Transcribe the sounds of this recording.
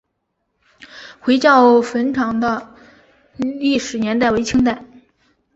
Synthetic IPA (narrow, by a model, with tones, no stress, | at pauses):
xwe˧˥ɪt͡ɕjɑ˥˩ʊfə˧˥nʈ͡ʂʰɑ˧˥ŋd̪ə˧ | li˥˩ʂɻ̩˨˩njɛ˧˥nt̪̬a˥˩ɪwe˥ɪt͡ɕʰi˥ŋt̪̬a˥˩ɪ